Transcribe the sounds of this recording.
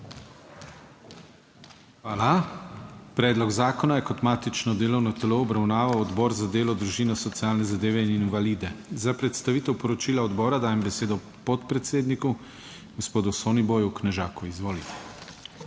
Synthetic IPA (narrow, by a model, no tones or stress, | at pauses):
xʋaːla | pɾɛːd̪lɔɡzaːkɔnajɛkɔt̪maːt̪it͡ʃnɔd̪eːlɔwnɔt̪ɛloɔbɾawnaːʋawɔd̪bɔːɾzad̪eːlɔd̪ɾuʒiːnɔsɔt̪siaːlnɛzad̪eːʋɛininʋaliːd̪ɛzapɾɛt̪st̪aʋiːt̪ɛwpɔɾɔt͡ʃiːlaɔd̪bɔːɾad̪aːjɛmbɛseːd̪ɔ | pɔt̪pɾɛt̪seːd̪niku | ɡospoːd̪usoːniboːjuknɛʒaːkuizʋoːlit̪ɛ̥